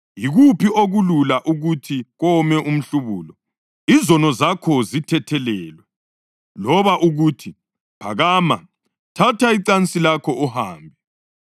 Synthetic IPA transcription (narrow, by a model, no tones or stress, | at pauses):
jiɣupʰiʔoɣululaʔuɣutʰiɣɔmɛʔum̩ɬuβuːlɔ | izɔnɔzakʰɔzitʰɛtʰɛlɛːlwɛ | lɔβaʔuɣuːtʰi | pʰa̰ɣaːma̰ | tʰatʰaiǀant͡sʼilakʰɔuhaːmbʱɛ